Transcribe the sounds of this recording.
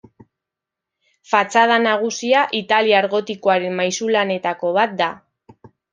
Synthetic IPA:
fat͡sað̞anaɣ̞usiaʔit̪aliaːɾɣo̞t̪iko̞aɾe̞nmajsulane̞t̪ako̞βat̪̚d̪a

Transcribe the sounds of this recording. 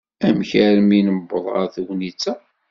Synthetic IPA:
æmçæɾminəbːəðˤə̰ɾθwnit͡sːæ

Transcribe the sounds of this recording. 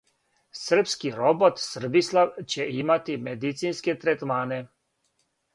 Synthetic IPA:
sr̩pskiɾobot̪sr̩bislawt͡ɕɛimat̪imed̪it̪sinsket̪ɾɛt̪maːne

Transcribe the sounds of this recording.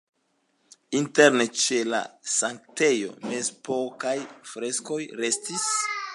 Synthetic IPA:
inteɾnet͡ʃe̞la̰saŋkte̞jo̞̰me̞zpokajfɾe̞sko̞jɾe̞stis

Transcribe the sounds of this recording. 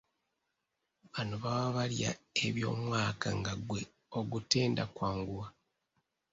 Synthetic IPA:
βanoβawaβalja̰e̞βjo̞̰ːmwaːka̰ŋɡaɡwe̞ | o̞ɡute̞ːndakwaːŋɡuwa

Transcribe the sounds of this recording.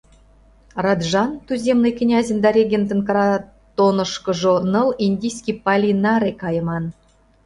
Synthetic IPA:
rɑd̪ʒɑnt̪yzʲemnɨjkʲɘ̆nʲɑzʲend̪ɑɾʲeɡʲent̪ə̆nkɾɑ | t̪onɤ̆ʃkɤ̆ʒonɤ̆linʲdʲijsʲkʲipɑlʲinɑɾekɑjɤ̆mɑn

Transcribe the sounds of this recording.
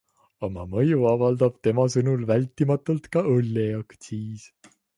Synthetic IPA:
omɑ̰mɤjuɑvɑld̪̥ɑb̥̚t̪e̞mɑsɤnulvælʲt̪ːˑimɑt̪ˑult̪kɑɤlːejɑkt̪siːs

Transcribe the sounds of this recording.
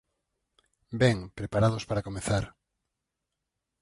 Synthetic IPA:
bɛŋpɾepaɾaðospaɾakomeθaɾ

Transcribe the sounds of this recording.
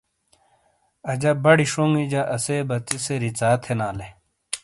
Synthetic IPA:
ɐd͡ʑɐbɐɽiʂoŋid͡ʑɐʔɐsebɐt͡siseɾit͡saːt̪ʰenaːle

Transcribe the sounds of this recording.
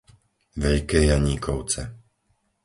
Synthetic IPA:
ʋɛʎkɛːjaɲiːkʰɔʊt͡sɛ

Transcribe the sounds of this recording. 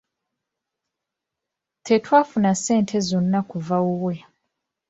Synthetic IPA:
tʰe̞twaːfunase̞ːntʰe̞zo̞nːakuvawuwe̞

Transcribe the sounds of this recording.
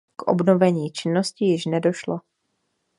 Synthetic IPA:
kʔo̰bno̞vɛɲiːt͡ʃɪnːo̞scɪjɪʃnɛdo̞ʃlo

